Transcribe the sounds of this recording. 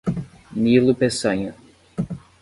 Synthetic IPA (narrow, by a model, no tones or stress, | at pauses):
nilʊpesɐ̃ɲɐ